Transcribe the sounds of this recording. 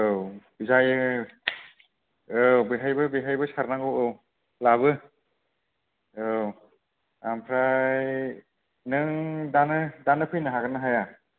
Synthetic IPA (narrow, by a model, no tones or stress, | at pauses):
ɯwbizajɯ | ɯbɯɦajbɯbɯɦajbɯsaɾnaŋɡɯwow | laβɯ | ow | ampʰɾaj | nɯŋdanɯdanɯpʰɯjnɯɦaɡɯnɯɦaja